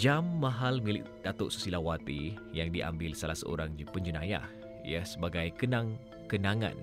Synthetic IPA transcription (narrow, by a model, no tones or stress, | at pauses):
d͡ʒamːãɦalmilɪk̚d̥at̪ʊʔsə̥silawat̪ijaŋdiʔa̰mbɪlsalasə̰o̰ɾaŋpəɲd͡ʒənaja̰h | ḭasəbaɡajkənãŋ | kənãŋã̰n